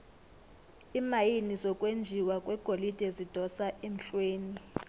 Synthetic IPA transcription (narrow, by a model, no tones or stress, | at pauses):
imajinisɔkʼwend͡ʒʱiwakʼwɛɡ̥ʱolid̥ʼʱezid̥ʱɔsaʔem̩ɬweːni